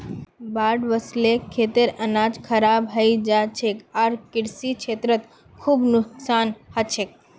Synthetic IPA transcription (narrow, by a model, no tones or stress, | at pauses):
baːɖʋəslekʰːet̪eɾənad͡ʒkʰəɾabɦəid͡ʒat͡ʃʰekaɾkɪɽsikʰeːt̪ɾət̪ | kʰuːbnʊksaːnhət͡ʃʰek̚